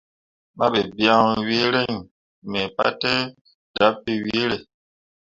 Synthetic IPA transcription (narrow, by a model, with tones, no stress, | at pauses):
ma˦be˨bja˦ŋwi˦ɾe˦ŋ | me˨pa̰˦te˦ | da˨˦pːi˦wi˦ɾe˨